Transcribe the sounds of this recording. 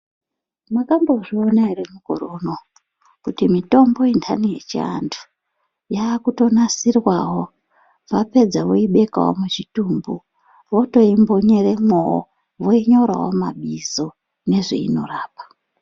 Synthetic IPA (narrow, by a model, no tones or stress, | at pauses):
makambo̞ʐio̞nairemuko̞̰ɾo̞no | kutimito̞mbo̞intʰanijḛt͡ʃḭa̰ntʰu̥ | jaːkuto̞nasirwaɦo̞ | ʋape̞d͡zaʋoiɓe̞ka̰wo̰mut͡ʃituːmbu | ʋoto̞imbo̞ɲe̞re̞mowo̰ | ʋoiɲo̞ɾa̰wo̰ma̰ɓizo̞ | ne̞ʐḛḭno̞̰raːpḁ